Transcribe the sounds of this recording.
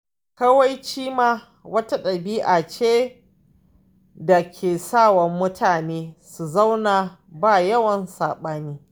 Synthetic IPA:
kɐ˦wa˦jt͡ʃiː˦maː˦ | wɐ˦ta˦ɗɐ˨biː˦ʔa˨t͡ʃeː˦ | da˨kʲʰeː˨saː˦˨wɐ˨mːʊ˦tʰaː˨neː˦su˨za˦wna˨baː˦˨jɐ˦wɐ˨nsaː˨ɓaː˦niː˦

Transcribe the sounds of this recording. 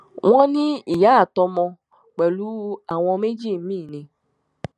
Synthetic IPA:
w̃ɔ̃˦nĩ˦i˨ja˨˦˨t̪ɔ˧mɔ̃˧ | k͡pɛ˨lu˨˦a˨w̃ɔ̃˧me˦d͡ʒi˦˨˦mĩː˦˨nẽ˨

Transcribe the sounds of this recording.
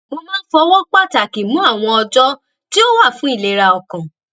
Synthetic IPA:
mo˧mãː˦n̩˦fɔ˧wɔ˦k͡pa˦˨ta˨ki˨mũ˨˦a˦˨w̃ɔ̃˧ɔ˧d͡ʒɔ˦ | ti˦o˦wa˦˨fũ˨˦i˦˨le˨˦ɾa˧ɔ˧kã˨

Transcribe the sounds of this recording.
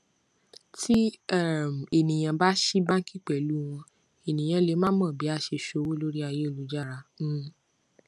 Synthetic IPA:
tʰi˦ɛ˦˨e˨nĩ˨j̃ã˨ba˦ʃi˦bã˦ŋ̩˦ki˦k͡pɛ˨lu˦w̃ɔ̃˧ | e˨nĩ˨j̃ã˧le˨˦mã˦mã˦˨bi˨˦a˧ʃe˧ʃo˧˦wo˦lo˦ɾi˦a˧je˦o˦˨lu˨˦d͡ʒa˦˨ɾã˧˦

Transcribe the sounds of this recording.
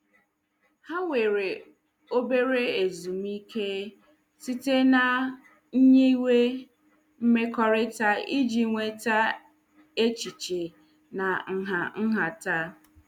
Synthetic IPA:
ha˦ŋʷe˨ɾe˨ | o˦be˦ɾe˦e˨zu˨mi˦kʰe˦ | si˦te˦na˨ | ɲ̩˦ɲe˦i˦we˦ | m̩˦me˦kɔ˦ɾɪ˦ta˦i˦d͡ʒi˨ŋʷe˦ta˦ | e˦t͡ʃi˨t͡ʃe˨ | na˨ŋ̩˨ɦa˨ŋ̩˦ɦa˨ta˦

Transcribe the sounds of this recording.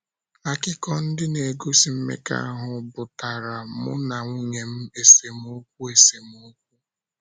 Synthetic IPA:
a˨kɪ˦kɔ˦n̩˦dɪ˦ne˨ɡo˦si˨m̩˦mḛ˦ka̰˦a˦ɦʊ˨bʊ˨ta˨ɾa˨mʊ̰˦na˨ŋʷu˦ɲe˨m̩˦e˨se˨mo˦k̚ʷu˦e˨se˨m˦ʊ˦k̚ʷu˦

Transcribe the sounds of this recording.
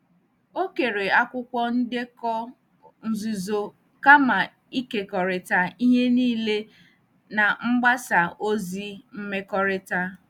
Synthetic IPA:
o˦ke˨ɾe˨a˦kʷʊ˦kʷɔ˦n̩˦de˦kɔ˦ | n̩˨zu˨zo˨ | ka˦ma˨ | i˦ke˨kɔ˨ɾɪ˨ta˦i˦ɦe˦niː˦le˦ | na˨ŋ͡m̩˦ɡ͡ba˦sa˨o˦zi˦m̩˦me˦kɔ˦ɾɪ˦ta˦

